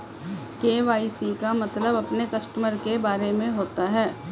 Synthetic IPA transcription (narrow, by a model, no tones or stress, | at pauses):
keːʋaːisikamɐt̪ləbɐpnekɐsʈəməɾkebaːɾemẽɦoːt̪aɦɛː